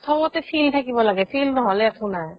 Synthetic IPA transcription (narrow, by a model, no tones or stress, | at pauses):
sʰɔmɔt̪ɛpʰiltʰakibɔlaɡɛpʰilnɔɦɔlɛakʰuna